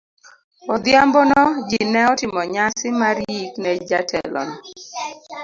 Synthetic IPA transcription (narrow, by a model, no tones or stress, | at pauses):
ɔd̪jambɔnɔd͡ʒinɛɔtɪmɔɲasɪmaɾiknɛd͡ʒatʰɛ̰lɔ̰n